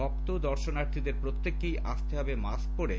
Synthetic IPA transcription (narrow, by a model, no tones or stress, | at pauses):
ɔk̚t̪od̪ɔɾʃonaɾt̪ʰid̪eɾpɾot̪ːekːijʔaʃt̪eɦɔbemask̚poɾe